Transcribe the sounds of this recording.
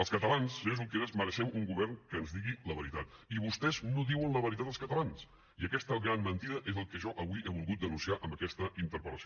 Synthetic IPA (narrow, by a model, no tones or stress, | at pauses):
əlˠskət̪əlansezuŋkeɾezməɾəʃɛmuŋɡuβɛrŋkəːnzðiɣiləβ̞əɾit̪at̪iβust̪ɛznoðiwənləβəɾit̪at̪əlˠskət̪əlans | iəkɛst̪əɣɾanmənt̪iðəʔezəlˠkəʒɔʔəβuiʔeβ̞ulˠɣut̪̚d̪ənunsiaʔəmbəkɛst̪əint̪əɾpət̪əs